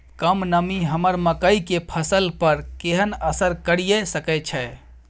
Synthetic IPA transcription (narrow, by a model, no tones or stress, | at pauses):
kəmnəmiɦəməɾməkəikepʰəsəlpəɾkeɦənəsəɾkəɾijesəkɛt͡ʃʰɛ